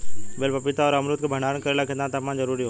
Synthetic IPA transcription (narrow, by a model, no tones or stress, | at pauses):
belpɐpɪt̪aɔːɾɐmɾut̪kʰeːbʱɐɳ̤aːɾənkɐɾelakʰə̃nd̪ãt̪ɐmãzɐɾuːɾiːɦo